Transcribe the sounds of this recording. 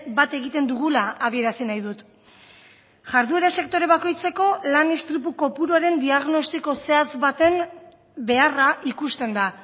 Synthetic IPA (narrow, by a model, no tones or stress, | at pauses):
bat̪e̞ɣit̪e̞nd̪uɣ̞ulaːβie̞ɾasinajðut̪ | ʝaɾðue̞ɾase̞kt̪o̞ɾe̞βako̞jt͡se̞ko̞lanest̪ɾipuko̞puɾuaɾe̞nd̪iaɣ̞no̞st̪iko̞se̞at͡sβat̪e̞n | be̞araʔikust̪e̞nd̪a